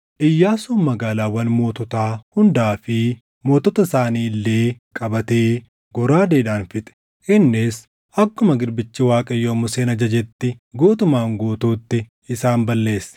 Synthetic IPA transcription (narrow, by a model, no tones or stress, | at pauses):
ʔɪjːaːsoːnmɐɡaːlaːwɐnmo̞ːt̪ɔt̪aːhʊnd̪aːfɪ | mo̞ːt̪ɔt̪ɐsaːniːlːeːkʼɐbɐt̪eː | ɡɔɾaːd̪eːᶑaːnfɪt̪ʼɛ̥ | ʔɪnːɪs | ʔɐkːʊmɐɡɪɾbɪt͡ʃːɪwaːkʼɐjːoːmʊseːnɐd͡ʒɐd͡ʒɛt̪ːɪɡoːt̪ʊmaːŋɡoːt̪uːt̪ːɪ | ɪsaːmbɐlːe̞ːsːɐ̥